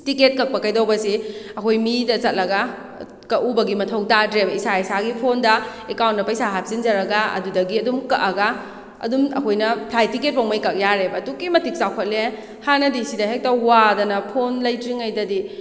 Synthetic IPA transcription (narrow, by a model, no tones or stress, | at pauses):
tiket̚kɐk̚pɐkɐjdɐwbɐsiɐkʰojmidɐt͡ʃɐt̚lɐɡa | kɐʔubɐɡimɐtʰɐwtadɾebɐisaɐjsaɡipʰondɐekawnt̚nɐpɐjsaɦap̚zind͡ʒɐɾɐɡaɐ̰dudɐɡiɐdumkɐʔɐɡa | ɐ̰dumɐkʰojnɐpʰlajtiket̚pawmɐjkɐk̚jaɾebɐtukimɐtik̚sawkʰɐt̚le | hanɐdisidɐɦek̚tawwadɐnɐpʰonlɐjtɾiŋɐjdɐdi